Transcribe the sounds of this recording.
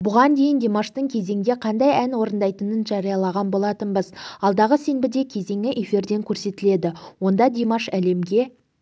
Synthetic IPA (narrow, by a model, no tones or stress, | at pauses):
bʊʁɑnd̪e̞jɪnd̪ʲemɑʃt̪əɴkʲʰe̞ze̞ŋɡ̪ʲe̞qʰɑnd̪ɑjænwo̞ɾənd̪ɑjt̪ənənʒɑɾijɑlˠɑʁɑnbo̞lˠɑt̪ənbəzɑlˠd̪ɑʁəse̞nbɪd̪e̞kʲʰe̞ze̞ŋɪʔe̞fiɾd̪e̞ŋkʲʰɵɾse̞t̪ɪle̞d̪ɪwo̞nd̪ɑd̪emɑʃæle̞mɡʲe̞